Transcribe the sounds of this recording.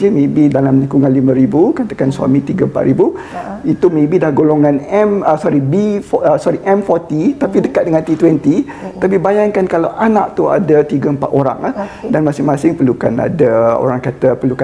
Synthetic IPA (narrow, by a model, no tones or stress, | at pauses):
əmẽbidalamnikuŋãnlimə̃ɾibukat̪əkanswa̰mĩt̪iɡəəmpa̰ʔ̪ɾibu | it̪umẽbidahɡoloŋãnɛməsɔɾibifəsɔɾiʔɛmfɔrt̪it̪apidəkat̪̚dəŋant̪it̪wɛnt̪i | t̪apibajaŋkankalawʔanaʔ̚t̪ua̰dat̪iɡəəmpat̪oɾa̰ŋahdanmasɪŋmasɪŋpəɾlukana̰dao̰ɾaŋkat̪əpəluka